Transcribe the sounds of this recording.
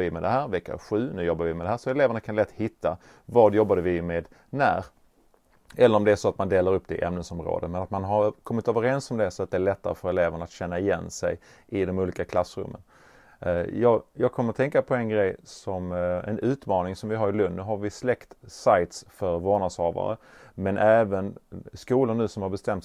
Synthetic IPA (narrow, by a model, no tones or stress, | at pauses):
ɪmɛd̪ɛɦæːɾvɛkːa̰ɧʉ̟ːnʉ̟ːjɔbːaɾvɪmɛd̪ɛɦæːɾʂɔɛleːvəɳakʰanlɛt̪ːhɪt̪ːa | vɑːd̪jɔbːad̪əvɪmeːd̪ | næ̰ɾ | ɛlːəɾɔmd̪ɛæʂɔat̪mand̪eːlaɾɵpːd̪ɛɪ̰ʔɛmnənsɔmɾo̰ːd̪əmɛnat̪manɦaɾkʰɔmːɪt̪øːvəɾɛnsɔmɛd̪ɛsɔat̪d̪ɛːɭɛt̪ːa̰ɾəfœɾɛleːvəɳaat̪ɕɛnːaɪjɛnsɛj | ʔɪd̪ɔmuːliːkakʰlasːɾɵ̰mːə̰n | jɑːjɑːɡ̚kʰɔmːəɾat̪ʰɛŋkapʰɔɛnɡɾɛjsɔmɛ̰nʉ̟ːt̪mɑːnɪŋsɔmvɪɦaɾɪlɵnːəɦaɾvɪslɛkt̪sajt̪sfœɾvoːɳashɑːva̰ɾə̰ | mɛnʔæːvənskuːlanːʉ̟ːsɔmhaɾbɛst̪ɛmt̪